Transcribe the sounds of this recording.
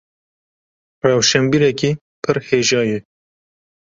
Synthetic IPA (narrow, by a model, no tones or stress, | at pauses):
rɑːwʃɛmbiːɾɛkiː | pʰɨɾheːʒɑːjɛ